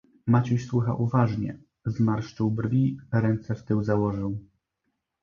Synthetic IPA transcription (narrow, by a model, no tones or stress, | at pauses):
mat͡ɕuɕswɘxa̰ʔuvaʐɲɛ̰ | zmaɾʂt͡ʂɘwbɾvʲiɾɛnt̪sɛft̪ɘwzawɔʐɘw